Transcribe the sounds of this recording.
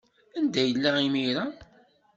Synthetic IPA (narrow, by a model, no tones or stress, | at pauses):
ænd̪æjəlːaimiɾa